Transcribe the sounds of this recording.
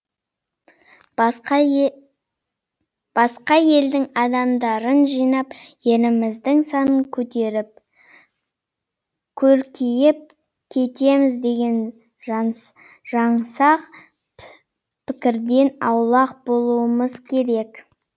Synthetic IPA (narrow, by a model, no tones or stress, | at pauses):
b̥ɑsqɑje̞ld̪ɪŋɑd̪ɑmd̪ɑɾənʒijnɑpje̞lɪmɪzd̪ɪŋsɑnəŋkʲʰɵt̪e̞ɾɪp̚ | kʲʰɵɾkʲʰijɪp̚ | kʲʰe̞t̪e̞mɪzd̪e̞ɡʲe̞n | ʒ̥ɑɴsɑq | pʰɪkʲɪɾd̪e̞nɑwlˠɑq̚bo̞lˠuəməzkʲʰe̞ɾe̞k